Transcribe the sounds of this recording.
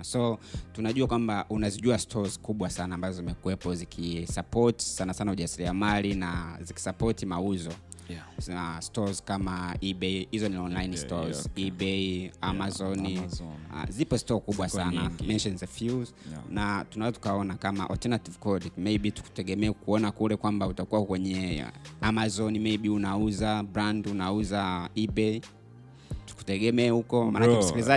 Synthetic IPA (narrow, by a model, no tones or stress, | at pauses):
sɔtunaʄuakwambaʔunaziʄuastʰɔzkuɓwasanaːmbazɔzimɛkuwɛpɔzikʰisapɔti̥sanasanauʄasiɾiamalinaziki̥sapɔtimauzɔ | astɔzkamaiɓɛhizɔniɔnlainstɔziɓɛamazɔn̰ | zipɔstɔkuɓwasanamɛnʃɔnzɛfjuz | natunazɔtu̥kaɔnakama̰ʔɔ̰ltɛnativkɔdimeiɓitu̥ku̥tɛɠɛmɛːkuɔnakulɛkwambautakuwakwɛɲɛamazɔnimɛiɓiunauzabɾandunauzaibɛi | tu̥ku̥tɛɡɛmɛahukɔmanakɛsskiliza